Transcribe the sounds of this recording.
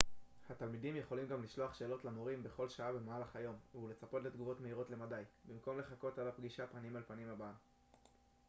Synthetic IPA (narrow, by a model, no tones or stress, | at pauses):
hatalmidimjeχo̞limɡamliʃlo̞aχʃe̞ːlo̞tlamoʁimbe̞χo̞lʃaabe̞maalaχajo̞mule̞t͡sapo̞tle̞d̪ɡuvo̞tme̞iʁo̞tle̞madajbimko̞mle̞χako̞talapɡiʃapanimalpanimabaa